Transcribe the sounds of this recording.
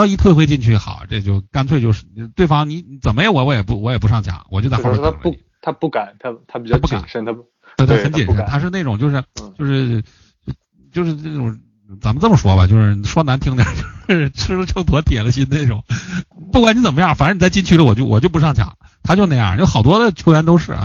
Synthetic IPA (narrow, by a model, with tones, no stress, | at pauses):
i˥˧t̪ʰwe˥˩xwe˥ɪt͡ɕi˥˧nt͡ɕʰy˥˩˧xɑ̰˨˩˦ʊ˩ʈ͡ʂe˥˩ɡə˧t͡ɕjo˥˩ʊka˥nt͡sʰwe˥˧ɪt͡ɕjo˥˧ʊʂɻ̩˥˩˧t̪we˥˩ɪfɑ˥ŋni˧˥t͡sə˨˩mə˦jɛ˧˥wɔ˧˥wɔ˧˥jɛ˨˩pu˧˥wɔ˧˥jɛ˨˩p̬ʂɑ˥˩ŋt͡ɕʰjɑ̰˨˧˥ŋwɔ˨˩t͡ɕjt͡sa̰˥˧˥t̪ʰa˥pu˥˩ka˨˩˦nt̪ʰa˥t̪ʰa˥pi˨˩t͡ɕa˥˩˥pu˥˩ka̰˨˦˩nʂə˥nt̪ʰa˥ | we˥˩ɪt̪ʰa˩˥˩t͡ɕjɛ˨˩nə˥˦nt̪ʰa˥ʂɻ̩˥˧ne˥˩ɪʈ͡ʂʊ˨˩ŋt͡ɕo˥˧ʊʂɻ̩˥˩jo˥˧ʊʂɻ̩˥˩˥ | t͡ɕjo˥˧ʂɻ̩˥˧ne˥˩ʈ͡ʂʊ˨˩ŋ | t͡sa˨˧˥mə˧˦t͡sə˥˩mə˩ʂwɔ˥bɐ̰˨t͡ɕo˥˧ʊʂɻ̩˥˩ʂwɔ˥na˧˥nt̪ʰi˥ŋd̪jɑ̰˨˩t͡ɕjo˥˧ʊʂ̩˥˧ʈ͡ʂʰɻ̩˥lə˧ʈ͡ʂʰɤ˥˩t̪ʰwɔ˧˥t̪jɛ˨˩lə˦˥ɕi˥nne˥˩ɪʈ͡ʂʊ˨˩˦pu˥˩kwa˧˦ni˥t͡sə˨˩mə˦jɑ˥˩fa˨˩n˥˧˥ni˨˩t͡sa˥˩ɪt͡ɕi˥nt͡ɕʰy˧˥lə˧wɔ˨˩t͡ɕjo˥˩ʊwɔ̰˨˩t͡ɕo˥˩ʊp̬ʂɑ˥˩ŋt͡ɕʰjɑ̰˨˩˦ŋ | t̪ʰa˥t͡ɕjo˥˧ʊna˥˧ɪjɑ̰˥˩jo˥˩ʊxɑ˨˩ʊt̪wɔ˥d̪ə˨t͡ɕʰjo˥ʊɥjɛ˧˥nt̪o˥ʊʂɻ̩̰˥˩˦